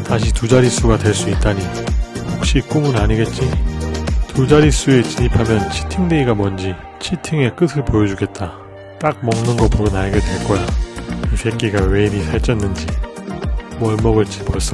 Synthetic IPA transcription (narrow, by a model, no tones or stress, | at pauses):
taɕ̬ʰitud͡ʑaɾis͈uɡadwe̞ɭs͈uit̚t͈aɲi | hok̚ɕ͈ik͈uŋɯnaɲiɡe̞t̚t͡ɕ͈i | tud͡ʑaɾis͈ue̞t͡ɕiɲipʰamjʌnt͡ɕʰi̥tʰiŋde̞iɡamʌnd͡ʑi | t͡ɕʰitʰiŋe̞k͈ɯsʰɯɭpojʌd͡ʑuɡe̞t̚t͈a | t͈ak̚mʌŋnɯnɡʌpoɾɯnaɭɡedwe̞ɭk͈ʌjakɯsʰek͈iɡawe̞imisʰaɭt͡ɕ͈ʌnːɯnd͡ʑi | wʌɭmʌɡɯɭt͡ɕ͈iboʌs͈ʌ